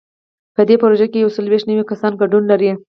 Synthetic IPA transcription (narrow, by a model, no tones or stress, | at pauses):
pəd̪epoɾoʒakejawsaloweʃt̪nawikasɑnɡaɖunlaɾi